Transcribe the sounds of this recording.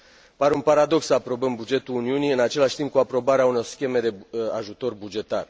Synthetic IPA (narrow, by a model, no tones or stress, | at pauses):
paɾeunpaɾad̪o̞ksəapɾo̞bəmbud͡ʒe̞t̪uluniuniɨnat͡ʃe̞laʃt̪imp̚kuapɾo̞baɾeauno̞rskʲe̞me̞d̪e̞aʒut̪o̞rbud͡ʒe̞t̪ar